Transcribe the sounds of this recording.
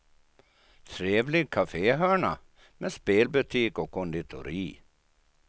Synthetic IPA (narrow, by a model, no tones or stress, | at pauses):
t̪ʰɾeːvlɪɡ̚kʰafeːɦœːɳa̰ | mespeːlbɵt̪ʰiːkɔkʰːɔnd̪ɪt̪ʰʊ̰ɾiː